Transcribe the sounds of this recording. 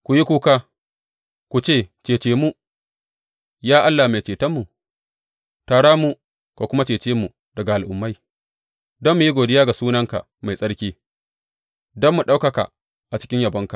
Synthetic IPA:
kʷu˨ji˦kʷuː˦kaː˦ | kʷu˨t͡ʃeː˦˨t͡ʃeː˨t͡ʃeː˨mu˦ | jaː˦ʔa˦lːa˨ma˨t͡ʃeː˨tɐ˦mːu˨ | taː˨ɽaː˦mu˦ | ka˨kʷʊ˦ma˦t͡ʃeː˨t͡ʃeː˦mu˨ | dɐ˨ɡa˨ʔa˨lʔʊ˨mːa˦j | dɔ˦mːu˨ji˦ɡʷoː˨dɪ˦jaː˦ɡa˨suː˦nɐ˦ŋka̰˨ | ma˨jsʼɐ˦ɽkʲiː˦ | dɔ˦mːu˨ɗa˦wkɐ˨ka̰˨ | ʔa˨t͡ʃɪ̥˦kʲɪ˦ɲjɐ˨bɐ˦ŋka˨

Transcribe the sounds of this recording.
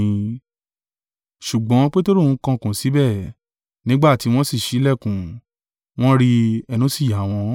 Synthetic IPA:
ʃu˨ɡ͡bɔ̃˨˦k͡pe˦to˦ɾõ˦˨˦kã˧kũ˨si˨˦bɛ˦˨ | nĩ˨˦ɡ͡ba˦˨ti˨˦w̃ɔ̃˦si˦˨ʃi˨˦lɛ˦˨kũ˨˦ | w̃ɔ̃˦ɾi˧ɛ˧nũ˨˦si˦˨ja˨˦˨w̃ɔ̃˧

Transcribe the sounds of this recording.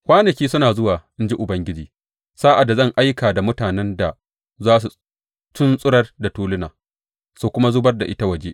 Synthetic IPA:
kʷaː˦nɐ˨kʲiː˦sʊ˦naː˨zʊ˦waː˨ʔɪ˦nd͡ʒi˦ʔʊ˨bɐ˦ŋɡʲɪ˦d͡ʒiː˨ | saː˦ʔa˨dːa˨zɐ˦˨ŋʔa˦jkaː˨da˨mʊ˦taː˨nɛ˦nda˨ | zaː˦s̬u˨ | t͡ʃʊ˦nsʼʊ˦ɽɐ˦rda˨tuː˦lʊ˦naː˨ | soː˦kʷʊ˦ma˦zʊ˦bɐ˦rda˨ʔɪ˦ta˦wɐ˨d͡ʒeː˦ʔ

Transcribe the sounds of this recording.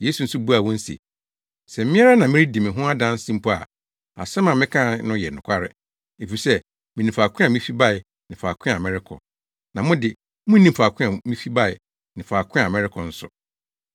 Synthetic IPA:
je˦su˨n̩˦sʊ˦bu˦a˨wɔ̃˦n̩˦sḛ˨ | sɛ˨m̩˦mɪ̃˦a˦ɾa˦nã˨mɪ̃˦ɾi˦dɪ˨mɪ̃˨ɦʊ̃˦a˦dã˦n˦sĩ˦m̩˦pʰɔ˦a̰˨ | a̰˨sɛ˦mã˨mɪ̃˦kʰã˦nʊ̃˦jɛ˨nʊ̃˨kʷʰa˦ɾɪ̰˨ | e˨fi˨sɛ˦ | mĩ˨nĩ˨fa˨kʰʊ̃˦a˨mĩ˦fi˦ba˦ɪ˨ | nɪ̃˨fa˨kʰɪ̃˦a˨mɛ̃˦ɾɪ˦kʰɔ̰˨ | nã˨mʊ̃˦dɪ˨ | mʊ̃˦nĩ˦m̩˨fa˨kʰʷɪ̃˦a˨mĩ˦fi˦ba˦ɪ˨ | nɪ̃˨faː˨kʰɪ̃˦a˨mɛ̃˦ɾɪ˦kʰɔ˨n̩˦sʊ̰˨

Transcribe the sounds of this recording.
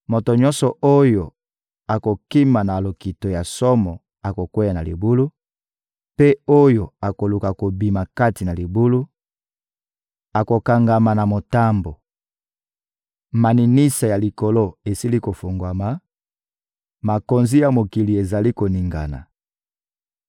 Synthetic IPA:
mo˨to˨ɲɔ̃˦nsɔ˨o˦jo˨ | a˨ko˨ki˦ma˨na˨lo˨ki˨to˨ja˨sɔ˦mɔ˨ | a˨ko˨kwe˦ja˨na˨li˨bu˦lu˦ | pe˦o˦jo˨a˨ko˨lu˨ka˨ko˨bi˨ma˨ka˦ti˨na˨li˨bu˦lu˦ | a˨ko˨ka˨ŋɡa˨ma˨na˨mo˨ta˦mbo˨ | ma˨ni˨ni˦sa˨ja˨li˨ko˨lo˦e˨si˦li˦ko˨fo˨ŋɡwa˨ma˨ | ma˨ko˨nzi˦ja˨mo˨ki˨li˨e˨za˨li˦ko˨ni˨ŋɡa̰˨na̰˨

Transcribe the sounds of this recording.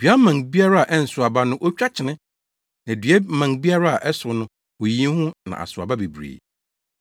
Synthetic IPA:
dɥa˦mã˨ŋbi˦a˦ɾa˦a˨ʔɛ˦n̩˨sʊ˨a˨ba˦nʊ̃˦ʔo˦t͡ɕᶣa˦t͡ɕʰɪ˨nɪ̃˦ | nã˨dɥɛ˦mã˨ŋbi˦a˦ɾa˦a˨ʔɛ˦sʊ˨nʊ̃˦ | wo˨jĩ˦hʊ̃˦nã̰˨ʔa̰˨sʊ˨a˨ba˦be˨bɾḛ˨

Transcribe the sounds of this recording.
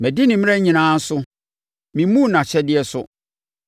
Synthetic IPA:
mæ˨di˦nɪ̃˨m̃˦ɛ˦ɲĩ˨nãː˦n̩˦sʊ˦ | mĩ˨˦mũ˦˨nã˨ɕɛ˦dɪ˦ɛ˦sʊ˦

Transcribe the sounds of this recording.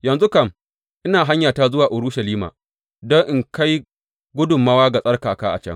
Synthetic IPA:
jɐ˨nzu˦kɐ˦m | ʔɪ˦naː˨ɦa˦ɲjaː˨taː˦zʊ˦waː˨ʔʊ˨ɾʊ˦ʃɐ˨liː˦ma̰ː˨ | dɔ˦ŋʔɪ˨ŋka˦j | ɡʷʊ˦dʊ˨mːɐ˦waː˦ɡa˨sʼɐ˦rkaː˨kaː˦ʔa̰˨t͡ʃɐ̰˦ŋ

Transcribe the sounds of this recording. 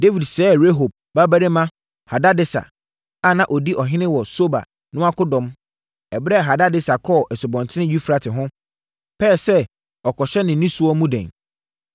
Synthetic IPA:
de˦vi˨dsɛː˨˦˨ɾe˦ɦo˨b̚ | ba˦bæ˦ɾe˦mã˦ | ha˨da˦dɪ˦sa̰˨ | a˦˨nã˨ʔɔ˨di˦ʔɔ˨ɦɪ̃˦nɪ̃˦wɔ˨so˦ba̰˨ | nʊ̃˦a˦kʊ˦dɔ̃˨m | ɛ˨bɾɛ˦˨ɦa˨da˦dɪ˦sa˨kʰɔː˦˨ʔɛ˨sʊ˨bɔ̃˨ntʰɪ˦nɪ̃˦ɥu˦fɾa˨tʰɪ˨ɦʊ̃˦ | pʰɛː˦˨sɛ˦ | ɔ˨kʰɔ˨ɕɛ˦nɪ̃˨nĩ˦su˦ɔ˦mũ˦dɛ̰̃˨n

